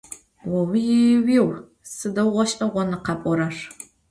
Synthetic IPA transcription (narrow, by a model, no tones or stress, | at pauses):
wɐwiwiːw | sɨdɐwʁʷɔʃʔɐʁʷɔnɨqɑpʼɔɾɐr